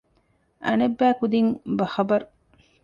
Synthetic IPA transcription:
ʔɐ̰nɐbːæːkud̪iŋbɐxɐbɐɾu

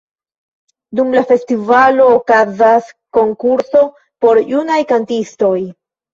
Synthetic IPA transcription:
dumlafe̞stivalo̞ːkazasko̞ŋkuɾso̞ | po̞ɾjunajkantisto̞j

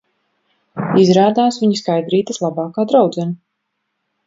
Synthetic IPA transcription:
izɾaːd̪aːsviɲiskajd̪ɾiːt̪əslˠabaːkaːd̪ɾawd̪zɛna

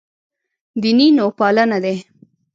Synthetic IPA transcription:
d̪ininopɑlanad̪e

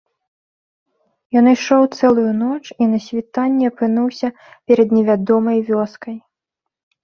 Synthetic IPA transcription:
jɔnɨjʂɔwt̪sɛlˠujunɔt͡ʂinɐsʲvʲit̪anʲːɛɐpɨnuwsʲɐ | pʲɛɾɐd̪nʲɛvʲad̪ɔmɐjvʲɔskɐj

